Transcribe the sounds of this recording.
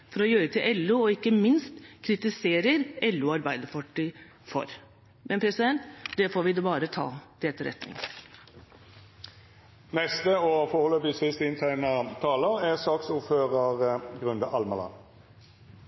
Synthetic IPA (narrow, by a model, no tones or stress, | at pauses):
fɔɾɔjøːɾət̪ʰɪlʔɛlːʉːɔɪkːəmɪnst̪kʰɾɪt̪ɪseːɾəɾɛlːʉːɑɾbæɪd̪əfɔʈːɪ | fɔ̰ɾ | mʔɛnpʰɾɛsɪd̪ɛnt̪d̪ɛfoːɾʋɪd̪ɛbɑːɾət̪ʰɑ̰ːd̪ɛt̪ːəɾɛ̰t̪nɪ̰ŋ | nɛst̪əoːfɔhɔlːəbisɪst̪ɪnt̪ʰæɪnɑt̪ʰɑːləɛsɑːksʊføːʁəʁɡʁʉnd̪əʔɑlmɑlɑ̰n